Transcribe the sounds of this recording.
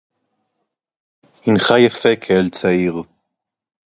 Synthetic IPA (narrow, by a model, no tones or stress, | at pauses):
inχajafekʰeelt͡saiʁ